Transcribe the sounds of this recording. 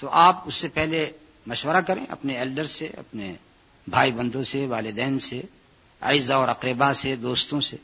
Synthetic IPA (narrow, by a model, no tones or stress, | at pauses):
t̪oʔaːpʊsːepɛɦle | mɐʃwəɾakɐɾḛ̃ʔɐ̰pneeːlɖəɾsḛɐ̰pnḛ | bʱaːibɐ̃nd̪õseʋaːlɪd̪ɛːnse | a̰ːɪzaɔːɾɐqɾɪbased̪oːst̪õse